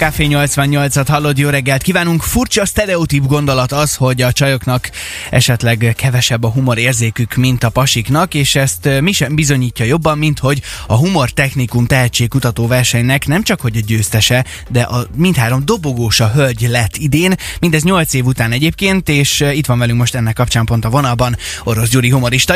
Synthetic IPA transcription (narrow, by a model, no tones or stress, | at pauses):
kaːfeːɲo̞lt̪sʋɒɲːo̞lt̪sɒt̪hɒlːo̞d̪joːɾɛɡːɛlt̪̚kiːvaːnuŋkfurt͡ʃɒst̪ɛɾɛot̪ibɡo̞nd̪o̞lɒt̪ɒsho̞ɟɒt͡ʃɒjoknɒkʔɛ̰ʃɛt̪lɛɡkʰɛvɛʃɛbːɒɦumo̞ɾeːrzeːkykmint̪ɒpɒʃiknɒkeːʃɛst̪miʃɛmbizo̞ɲiːcːɒjo̞bːɒmːint̪ho̞ɟɒɦumo̞rt̪ɛxnikumt̪ɛɦɛt͡ʃːeːk̚kut̪ɒt̪oːvɛrʃɛɲnɛknɛmt͡ʃɒkho̞ɟɒɟøːst̪ɛʃɛ | d̪ɛʔɒmint̪haːɾo̞md̪o̞bo̞ɡoːʃɒɦølɟlɛt̪ːid̪eːnmind̪ɛzɲo̞lt̪seːvut̪aːnɛɟeːp̚keːnt̪eːʃit̪ʋɒnvɛlyŋkmo̞ʃt̪ɛnːɛkːɒpt͡ʃaːmpo̞nt̪ɒvo̞nɒlbɒno̞ɾo̞s̬d͡ʒuːɾiɦumo̞ɾiʃt̪ɒ